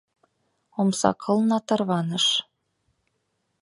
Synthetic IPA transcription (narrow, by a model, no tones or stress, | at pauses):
omsɑ̰kʰɤ̆lnɑt̪ɤ̆rβɑnɤ̆ʃ